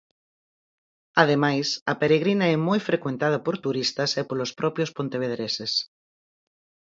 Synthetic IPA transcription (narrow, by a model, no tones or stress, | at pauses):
að̞emajsɐpeɾeɣ̞ɾinaɛmɔjfɾekwẽnt̪að̞apoɾt̪uɾist̪asepolospɾʔɔpjospont̪eβeðɾeses